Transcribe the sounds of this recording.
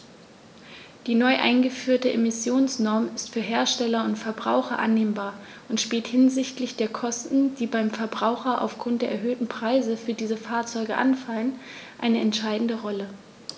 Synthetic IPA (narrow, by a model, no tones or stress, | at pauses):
d̥iːnɔʏʔa̰ɪnɡəfyːɐtəʔemɪsjoːnsnɔɐmɪstfyːɐɦeːɐʃtɛlɐʊntfɛɐbʁa̰ʊxɐʔa̰nːeːmbaːɐ | ʔʊntʃpiːlthɪnzɪçtlɪçd̥eːɐkʰɔstn̩d̥iːbaɪmfɛɐbʁaʊxɐʔa̰ʊfɡ̥ʁʊnt̚d̥eːɐʔɛɐɦøːtn̩pʁ̥aɪzəfyːɐdiːzəfaːɐt͡sɔʏɡəʔa̰nfalənʔaɪnəɛntʃaɪdn̩dəʁɔlə